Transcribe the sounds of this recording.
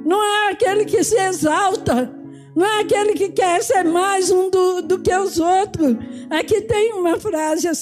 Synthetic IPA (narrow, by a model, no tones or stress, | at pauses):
nɐ̃w̃ɛakelɪkɪsɪezawt̪ɐ | nɐ̃w̃ɛakelɪkɪkɛɾseɾmajzũd̪ʊd̪ʊkeʊzot̪ɾʊ | akit̪ẽj̃ũmɐfɾazɪas